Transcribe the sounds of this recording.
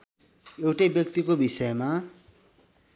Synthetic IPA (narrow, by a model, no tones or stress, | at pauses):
ewʈʌjbjʌk̚t̪ikobisʌema